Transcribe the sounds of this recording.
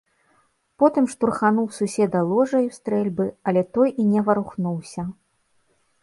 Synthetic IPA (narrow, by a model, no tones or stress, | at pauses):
pɔt̪ɨmʂt̪urxanuwsusʲɛd̪ɐlˠɔʐɐjwst̪ɾɛlʲbɨɐlʲɛt̪ɔjʔinʲɛvɐɾuxnuwsʲɐ